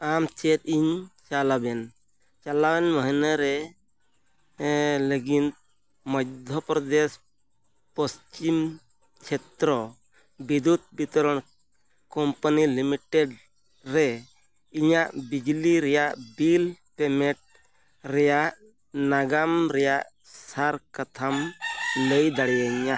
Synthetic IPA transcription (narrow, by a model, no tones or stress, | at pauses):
amt͡ʃɛt̪̚iɲt͡ʃalabɛn | t͡ʃalawɛnməɦinaɾɛ | ləɡint̪ | mɔdd̪ʱjɔpɾɔd̪es | pɔst͡ʃim | t͡ʃʰɛt̪ɾɔ | bid̪ud̪̚bit̪ɔɾɔɳ̃ | kɔmpanilimiʈeɖ | ɾɛ | iɲaʔbid͡ʒliɾɛjaʔbilpɛmɛʈ̚ | ɾɛjaʔ | naɡamɾɛjaʔ | saɾkat̪ʰamləjd̪aɽɛjaɲːa